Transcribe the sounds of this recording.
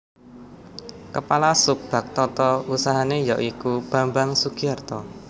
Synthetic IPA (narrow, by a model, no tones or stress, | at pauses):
kəpalasʊp̚b̥a̤k̚t̪ɔt̪ɔusaɦanejaʔikub̥a̤mbaŋsukiart̪ɔ